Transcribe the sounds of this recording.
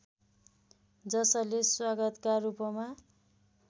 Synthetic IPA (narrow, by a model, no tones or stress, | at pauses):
d͡zʌsʌleswaɡʌt̪karupʌma